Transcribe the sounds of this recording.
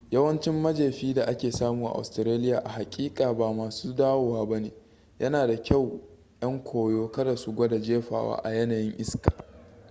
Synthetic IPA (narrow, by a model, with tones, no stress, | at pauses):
jɐ˦wɐ˦nt͡ʃɪ˦mːɐ˦d͡ʒeː˨ɸiː˦da˨ʔa˦kʲeː˨saː˦muː˨ʔa̰˨ʔa̰˨stɾeː˦lɪ˦jaː˨ʔa˨ɦa˨kʲʼiː˦kʼaː˨baː˨maː˨suː˦daː˦woː˨waː˦bɐ˦neː˨ | jʔɐ˦naː˨da˨kʲa˦˨w | jɐ˦ŋkʷoː˨joː˦kɐ˦da˨su˦ɡʷɐ˦da˨d͡ʒeː˦ɸa̰ː˨wa̰ː˦ʔa˨jɐ˦na˨jɪ˦ŋʔɪ˦skḁː˨